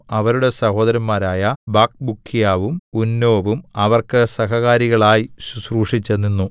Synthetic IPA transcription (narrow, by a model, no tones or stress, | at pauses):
ɐʋɐɾuɽe̞sɐho̞ːd̪ɐɾɐmmaːɾaːjɐbaːk̚bukʰːijaːʋumunːo̞ːʋumɐʋɐrkɨsɐɦɐɣaːɾiɣɐɭaːjisusruːʂit͡ɕːɐnːinːu